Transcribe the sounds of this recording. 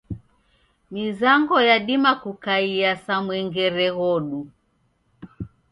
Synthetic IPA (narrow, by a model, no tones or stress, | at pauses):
mizaŋɡɔjaɗimakukaiasamwɛŋɡɛɾɛɣɔɗu